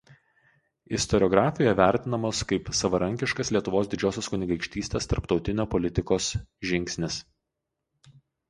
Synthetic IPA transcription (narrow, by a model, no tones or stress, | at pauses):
ɪst̪ɔɾʲɔɡɾɑːfʲɪjoːjɛʋʲæˑɾʲt̪ʲɪnɐmoːskɐɪpsɐʋɐɾɐŋʲkʲɪʃkɐslʲiɛt̪ʊʋoːsd̪ʲɪd͡ʒʲoːsʲoːskʊnʲɪɡɐɪkʃʲt̪ʲiːsʲt̪ʲeːst̪ɐɾpt̪ɒʊt̪ʲɪnʲoːpɔlʲɪt̪ʲɪkoːsʒʲɪŋʲksʲnʲɪs